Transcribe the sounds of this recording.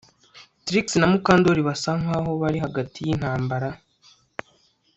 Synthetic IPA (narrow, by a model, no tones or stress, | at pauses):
tɾiksinamukaːndoɾiβasaŋwaɦo̞βaɾiɦaɡatijin̥haːmbaɾa